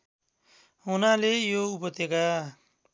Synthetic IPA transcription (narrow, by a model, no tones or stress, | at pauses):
ɦunalejoupʌt̪eɡa